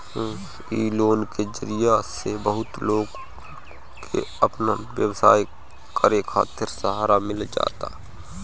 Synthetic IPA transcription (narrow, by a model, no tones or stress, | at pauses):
iːloːnked͡ʒəɾijasebəɦʊt̪loːɡ | kʰḛəpnəʋjəwsa̰ːj | kʰəɾekʰa̰ːt̪ɪɾsəɦaːɾamɪld͡ʒa̰ːt̪a̰